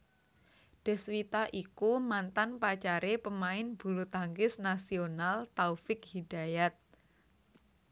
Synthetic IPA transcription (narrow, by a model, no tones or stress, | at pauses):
ɖ̥ə̤swit̪aʔikumant̪anpat͡ʃaɾepəmaɪnb̥ṳlut̪aŋɡɪsnasionalt̪aufɪk̚hidajat̪̚